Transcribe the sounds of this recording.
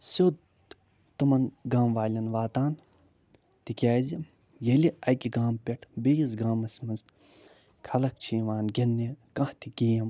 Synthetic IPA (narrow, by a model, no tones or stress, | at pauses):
soː | t̪umɐnɡaːmʋaːlʲɐnʋaːt̪aːn | t̪ikʲaːzi | jɐliɐkʲiɡaːmpʲeʈʰbejizɡaːmɐsʲmɐnz | kʰɐlɐk̚t͡ʃʰiːʋaːnɡʲɐnːikɐ̃ht̪ʰikiːjɐm